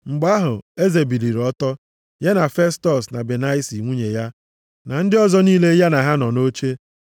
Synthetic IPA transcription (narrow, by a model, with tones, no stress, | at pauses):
ŋ͡m̩˨ɡ͡ba˦ɦʊ˨e˦ze˨bi˨li˨ɾɔ˦tɔ˦ | ja˦na˨fe˦stɔ˨sna˨be˨na˦ɪ˦si˨ŋʷu˦ɲe˨ja˦ | na˨n̩˦dɪ˦ɔ˦zɔ˦niː˦le˦ja˦na˨ɦa˦nɔ˨no˦t͡ʃe˦